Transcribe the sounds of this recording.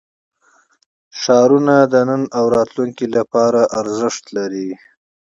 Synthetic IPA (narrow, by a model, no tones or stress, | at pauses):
ʃɑɾunad̪ənənawɾɑt̪luŋkilapɑɾaʔaɾzɪʂt̪laɾi